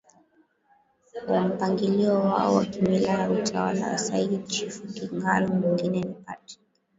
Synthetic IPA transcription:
wam̩paŋɡiliɔwa̰ɔwakimilajautʰawa̰la̰wa̰saiɗit͡ʃifukiŋɡalumiŋɡinɛlipa̰tḁ

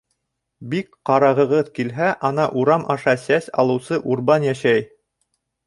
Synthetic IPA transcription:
bikqɑɾɑʁɤ̆ʁɤðkilɦæʔɑnɑʔuɾɑmʔɑʃɑsæsɑ̰lˠɤ̆wsɤʔuɾbɑnjæʃæj

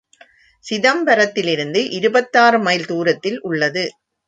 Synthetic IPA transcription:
sɪðɐmpɐɾɐt̪ːɪlɪɾɯnd̪ɯʔɪɾɯbɐt̪ːaːɾɯmɐɪlt̪uːɾɐt̪ːɪlʔʊɭːɐðɯ

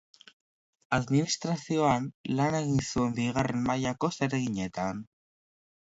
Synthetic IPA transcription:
aðminist̪ɾasio̞anlane̞ɣinsue̞mbiɣare̞nmajako̞seɾeɣiɲe̞t̪an

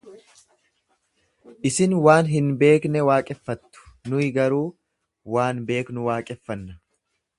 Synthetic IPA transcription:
ʔɪsɪnwaːnɦɪnbe̞ːknɛwaːkʼɛfːɐt̪ːʊ̥nʊɪɡɐɾuː | waːnbe̞ːknʊwaːkʼɛfːɐnːɐ

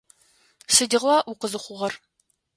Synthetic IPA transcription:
sɨdiʁwaːʔʊqəzɨχʷʊʁɐr

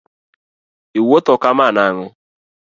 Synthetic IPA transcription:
iwotɔkamanaŋʊ

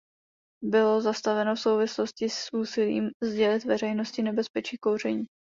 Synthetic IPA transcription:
bɪlo̞zast̪avɛno̞fsowvɪslo̞scɪsʔuːsɪlḭːmzɟɛlɪt̪vɛɾɛjno̞scɪnɛbɛspɛt͡ʃiːkowr̝ɛɲiː

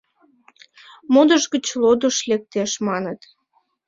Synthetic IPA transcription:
mod̪əʒɣət͡ɕlod̪əʃlek̚t̪eʃmɑnət̪

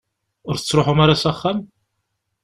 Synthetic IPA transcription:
ʊɾət͡sːɾoħumaɾasæχːæm

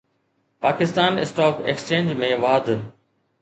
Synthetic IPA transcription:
paːkɪst̪aːnɪsʈaːkḛkst͡ɕẽːnd͡ʑmẽːʋaːd̪

